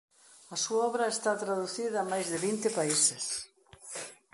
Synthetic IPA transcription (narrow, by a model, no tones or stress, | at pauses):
ɐsuaɔβɾɐest̪at̪ɾaðuθiðɐːmajzðɪβint̪ɪpaises